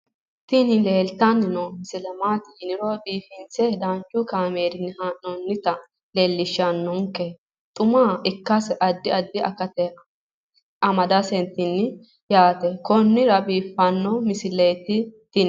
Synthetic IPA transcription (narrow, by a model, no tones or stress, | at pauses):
t̪ɪnɪleːlt̪ɐnːɪnɔmɪsɪlɛmaːt̪ɪjɪnɪɾɔbiːfɪnt͡sɛd̪ant͡ʃːʊkaːmeːɾɪnːɪhaːʔːɔnːɪt̪ɐ | leːlːɪʃːanːʊŋkːɛ | t̪ʼʊmaːɪkːɐsɛʔɐd̪ːɪɐd̪ːɪʔɐ̰kɐt̪ɛ | ɐmɐd̪ɐsɛnt̪ːɪnːɪ | jaːt̪ɛkɔnːɪɾɐbiːfːɐnːɔmɪsɪlejt̪ɪt̪ɪn